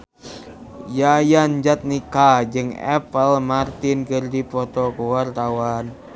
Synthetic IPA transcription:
jajand͡ʒat̪̚nikad͡ʒɨŋɛ̰pəlmart̪ɪnkɨrdipɔt̪ɔkuwart̪awan

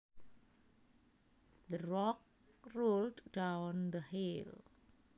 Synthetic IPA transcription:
d̪əɾɔk̚ | rulddawnd̪əhil

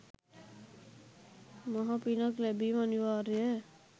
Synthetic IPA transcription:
mʌɦʌpinʌklebimaniwaɾe

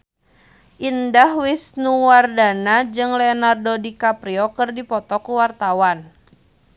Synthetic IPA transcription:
ʔindahwisnuwardanad͡ʒɨŋlɛɔnardodikapɾiɔkɨrdipɔt̪ɔkuwart̪awan

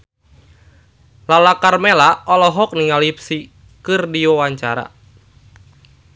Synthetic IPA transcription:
lalakarmelaʔɔlɔɦɔk̚niŋalipsi | kɨrdiɔwaɲt͡ʃaɾa̰

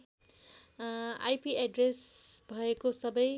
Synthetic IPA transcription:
a̰jpiaɖresbʱʌekosʌbʌj

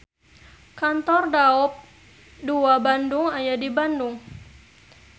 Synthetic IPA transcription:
kant̪ɔrdaɔp̚ | duabanduŋajadibanduŋ

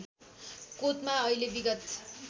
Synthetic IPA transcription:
kot̪maʌilebiɡʌt̪

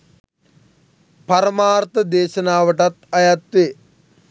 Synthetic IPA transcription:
pɐɾəmaːɾt̪əd̪eːʃənaːʋəʈat̪ɐjat̪ʋe

